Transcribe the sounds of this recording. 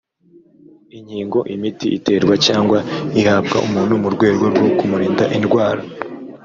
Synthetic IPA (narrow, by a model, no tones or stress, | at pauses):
iɲhiːŋɡo̞ʔimitiʔite̞ːɾɡwacaːŋɡwaihaːb̚ɡa̰umuːnumuɾɡwe̞ːɾɡo̞ɾɡo̞kumuɾiːndaʔinɡwaːɾa